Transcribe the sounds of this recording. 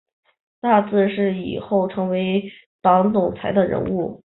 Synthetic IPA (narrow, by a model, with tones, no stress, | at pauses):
t̪a˥˧t͡sɹ̩˥˧ʂɻ̩˥˩ḭ˨˩xo˥˩ʊʈ͡ʂʰɤ˧˥ŋwe˧˥ɪ | t̪ɑ˧˥ŋt͡sʊ˨˩ŋt͡sʰa˧˥ɪd̪ə˧ɻə̰˧˥nu˥˩